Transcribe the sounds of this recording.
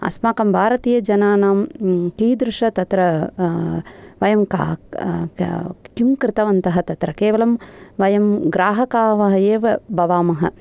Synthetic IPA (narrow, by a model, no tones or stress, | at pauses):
ɐ̰smaːkɐmbʱaːɾɐt̪iːjɐd͡ʒɐnaːnaːmkiːd̪ɾɪʂɐt̪ɐt̪ɾɐ | ʋɐjɐmka̰ː | kimkɾɪt̪ɐʋɐnt̪ɐɦɐt̪ɐt̪ɾɐkeːʋɐlɐmʋɐjɐmɡɾaːɦɐkaːʋɐɦɐjeːʋɐbɐʋaːmɐɦɐ̰